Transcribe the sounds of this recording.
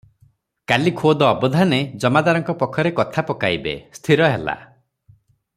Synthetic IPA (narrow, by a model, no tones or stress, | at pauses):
kalikʰod̪ɔːbɔd̪ʱaned͡ʒɔmad̪aɾɔŋkɔpɔkʰːɔɾekɔt̪ʰapɔkajbḛst̪ʰiɾɔɦela̰